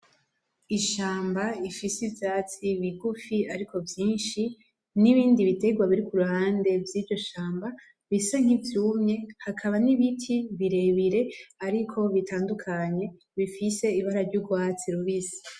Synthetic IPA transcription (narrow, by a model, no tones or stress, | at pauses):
iʃaːmbaifisivjaːt͡siβiɡufiaɾikʰo̞vjiːnʃi | niβiːndiβite̞ɡwaβiɾikuɾuhaːnde̞vjiːɾɟo̞ʃaːmba | βisaŋ̥ivjuːmɲe̞hakʰaβaniβitʰiβiɾe̞βiɾe̞aɾikʰo̞βitʰaːndukʰaɲe̞ | βifise̞iβaɾaɾɟuɡwaːt͡siɾuβizi